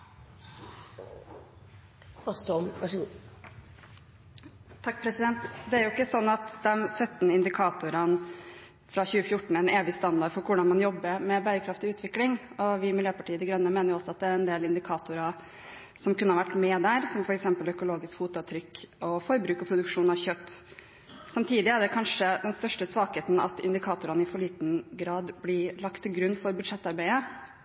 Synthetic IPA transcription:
ɑst̪mʋæʂəɡuː | t̪ʰɑkːpʰɾɛsɪd̪ɛnt̪d̪ɛæɾjʊɪkːəsɔnːɑt̪d̪ɛmsœt̪ːnɪnd̪ɪkʰɑːt̪ʊɾən | fɾɑçʉːəfjʊʈːɳ̩ɛneːʋɪst̪ɑnd̪ɑɖfɔɾkʊɖɑnmɑnjɔbːəɾmɛbæːɾəkʰɾɑft̪ɪʉːt̪ʋɪklɪŋɔʋɪmɪljøːpɑʈʰiːəd̪ɪɡɾœnːəmeːnəɾjʊɔsɔɑt̪̚d̪ɛæɾɛnd̪eːlɪnd̪ɪkʰɑːt̪ʊɾɑ | sɔmkʰʉnːəhɑʋæʈːmɛd̪æːɾsɔmfɔɾɛksɛmpəlœkʊloːɡɪskfuːt̪ʊɑt̪ʰɾʏkːʔɔfɔɾbɾʉːkɔpʰɾʊd̪ʉkʂuːnɑʋçœt̪ː | sɑmt̪ʰiːd̪ɪæɖɛkʰɑnʂəd̪ɛnst̪œʂʈəsʋɑːkheːt̪n̩ɑ̰t̪ɪ̰nd̪ɪkʰɑːt̪ʊɾɑnɪfɔɭiːt̪nɡɾɑːd̪blɪɭɑkt̪ʰːɪlɡɾʉnːfɔɾbʉd̪ʂɛt̪ːɑɾbæɪə

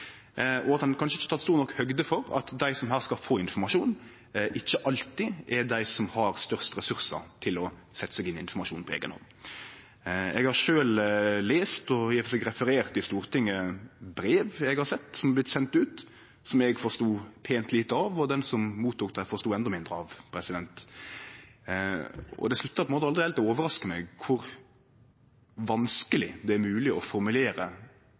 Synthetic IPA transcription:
ʔɔɑt̪d̪ɛnkʰɑnʂəɪçːət̪ʰɑt̪st̪uːɾnɔkːhœɡd̪əfɔɾɑ̰t̪d̪æɪsɔmɦæːʁskɑfoːɪnfɔmɑʂuːn | ʔɪçːəʔɑlt̪ɪʔɛɾd̪æɪsɔmhɑɾst̪œɾst̪ɾɛsʉɾsə̰ɾt̪ʰɪlɔsɛt̪ːə̥sɛɡɪnːɪnfɔɾmɑʂuːnpʰɔḛːɡənhɔ̰n | ɛ̰ɡhɑɾʃøːlleːst̪ɔjæfɔsɛɡɾɛfəɾeːʁt̪ɪst̪uːɾt̪ʰɪŋːəbɾeːʋɛɡhɑɾsɛt̪ːsɔmɑblɪt̪sɛnt̪ʉːt̪ | sɔmɛɡfɔɾst̪uːpʰeːnt̪liːt̪əɑʋɔd̪ɛnsɔmmuːt̪ʰːuːk̚d̪æɪfɔɾst̪uːɛnd̪ɔmɪnd̪ɾəɑʋpʰɾɛsɪd̪ɛnt̪ | ɔ̰d̪ɛslʉt̪ːɑpʰɔnmoːt̪əɑld̪ɾɪɛlt̪ɔoːʋəɾɑskəmɛɡkʰʊɾ | ʋɑnskəlɪd̪ɛæɾmʉːlɪɔfɔɾmʉleːɾə

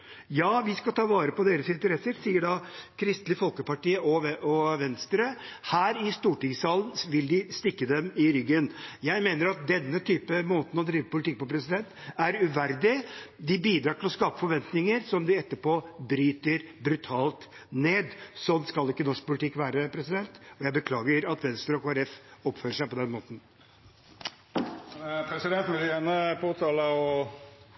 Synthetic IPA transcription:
jɑːʋɪskɑlt̪ʰɑːʋɑːɾəpɔd̪eːɾəsɪnt̪əɾɛsːəɾsiːəɖɑkʰɾɪst̪lɪfɔlkəpɑʈiːəʔɔʋɛɔʋɛnst̪ɾəhæːɾɪst̪uːʈɪŋsɑːlən̩ʋɪld̪ɪst̪ɪkːəd̪ɛmɪɾʏɡːənjæɪmeːnəɾɑt̪̚d̪ɛnːət̪ʰyːpəmoːt̪n̩ɔd̪ɾiːʋəpʊlɪt̪ɪk̚pɔpʰɾɛsɪd̪ɛnt̪æɾʉʋæɾd̪ɪd̪ɪbiːd̪ɾɑːʈɪlɔskɑːpə̥fɔɾʋɛnt̪nɪŋəɾsɔmd̪ɪɛt̪ːəpoːbɾyːt̪əɾbɾʉt̪ʰɑːlt̪neːd̪sɔnːskɑlɪkːənɔʂk̚pʊlɪt̪ʰɪkːʋæːɾəpʰɾɛsɪd̪ɛnt̪ɔjæɪbəkʰlɑːɡəɾɑt̪ʋɛnst̪əɾɔkʰoːæɾɛfɔpføːɾəʂæɪpɔd̪ɛnmoːt̪n̩ | pʰɾɛsɪd̪ɛnt̪nʋɪljænəpʰoːt̪ʰɑːləɔ

